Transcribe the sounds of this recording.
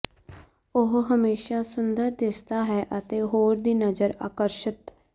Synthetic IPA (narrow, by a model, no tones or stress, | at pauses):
ʊɦɦəmeːʃaːsʊnd̪əɾd̪ɪst̪aːɦɛːʔət̪eːɦoːɾd̪iːnəzəɾa̰ːkəɾʃət̪